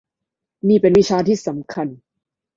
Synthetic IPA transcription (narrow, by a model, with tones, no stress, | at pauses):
niː˥˩pe˧nwi˦˥t͡ɕʰaː˧t̪ʰiː˥˩sa˩˦mkʰa˧n